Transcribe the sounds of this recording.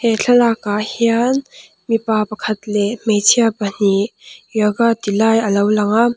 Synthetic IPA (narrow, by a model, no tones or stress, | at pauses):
hɛɬʰɐlakahian | mipapɐkʰɐt̪lɛmet͡sʰiapən̥ijaɡat̪ilajəlɐwlɐŋa